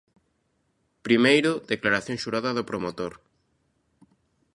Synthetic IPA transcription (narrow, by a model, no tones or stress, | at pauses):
pɾimejɾʊðeklaɾaθjoŋʃuɾaðɐðopɾomot̪oɾ